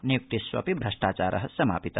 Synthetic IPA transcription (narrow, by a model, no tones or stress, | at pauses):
nijuk̚t̪isʋɐ̰pibʱɾɐʂʈaːt͡ʃaːɾʔɐɦɐsɐma̰ːpit̪ɐ